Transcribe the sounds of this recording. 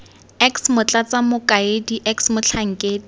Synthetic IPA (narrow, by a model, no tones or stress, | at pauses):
ɛksmʊt͡ɬat͡samʊkʼaɪdiʔɛksmʊt͡ɬʰaŋ̩kʼɪ